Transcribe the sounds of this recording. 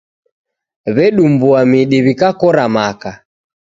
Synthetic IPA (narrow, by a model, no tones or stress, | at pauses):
βɛɗumbuamiɗiβikakɔɾamaka